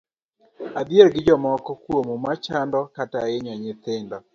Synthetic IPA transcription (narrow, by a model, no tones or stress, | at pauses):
ad̪ielɡɪd͡ʒɔmɔkɔkwomumat͡ʃandɔkataɪɲɔɲɪt̪ɪndɔ